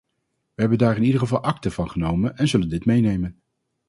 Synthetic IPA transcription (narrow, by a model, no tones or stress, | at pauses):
ʋəɦɛbəndaːɹɪnidəχəvɑlˠʔɑktəvɑnχənowmənɛnzɵləndɪtmejnejmən